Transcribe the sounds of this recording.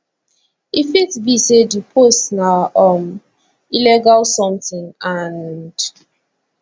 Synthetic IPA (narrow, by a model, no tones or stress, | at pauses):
ifitbisedipʰostnaʔɔm | ilɛɡalsɔ̃mtɪ̃ŋand